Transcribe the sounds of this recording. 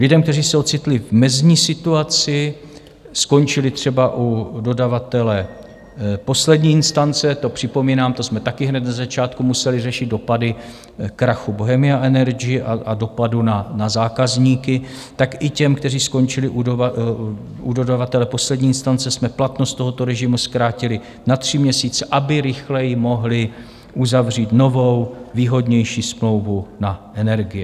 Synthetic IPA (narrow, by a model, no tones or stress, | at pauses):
lɪdɛmkt̪ɛriːsɛot͡sɪt̪lɪvmɛzɲiːsɪt̪uat͡sɪ | sko̞nt͡ʃɪlɪt̪r̝̥ɛbaʔudo̞davat̪ɛlɛ | po̞slɛdɲiːɪnst̪ant͡sɛt̪o̞pr̝̥ɪpo̞miːnaːmt̪o̞smɛt̪akɪɦnɛt̪̚nazat͡ʃaːt̪kumusɛlɪrɛʃɪd̪̚do̞padɪ | kɾaxubo̞ɦɛmɪaʔɛnɛɾɡɪjɪʔaado̞padunanazaːkazɲiːkɪ | t̪akʔɪcɛmkt̪ɛr̝iːsko̞nt͡ʃɪlɪʔua | udo̞dovat̪ɛlɛpo̞slɛdɲiːɪnst̪ant͡sɛsmɛplat̪nost̪o̞ɦo̞t̪o̞ɾɛʒɪmuskɾaːcɪlɪ | nat̪r̝̥ɪmɲɛsiːt͡sɛʔabɪɾɪxlɛjɪmo̞ɦlɪ | ʔuzavr̝iːt̪no̞vo̞wviːɦo̞dɲɛjʃiːsmlo̞wvunaʔɛnɛɾɡɪjɛ